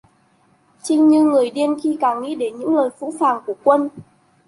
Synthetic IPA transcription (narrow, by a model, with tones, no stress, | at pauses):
t͡ɕï˧ŋ̟ɲɨ˧ŋɨ˨˩əjɗi˧ənxi˧kaː˧˩ŋŋḭ˧˥ɗe˧˩nɲɨ̰˧˥ŋləː˨˩jfṵ˧˥faː˨˩ŋku˧˩əkwə˧n